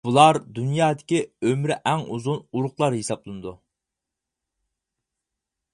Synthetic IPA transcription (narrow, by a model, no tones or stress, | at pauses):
b̥ulˠɑɾd̪unjɑːd̪ɪkʲiømɾɪʔɛŋuzunuɾʊqlˠɑɾhesɑplˠɨnɨd̪u